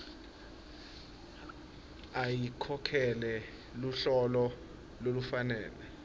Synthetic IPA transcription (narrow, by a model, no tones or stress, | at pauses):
ajikʰɔkʰɛlɛ | luɬɔlɔ | lolufanɛːlɛ